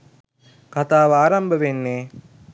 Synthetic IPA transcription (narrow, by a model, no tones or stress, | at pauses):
kat̪aːʋəaːɾambəʋenːeː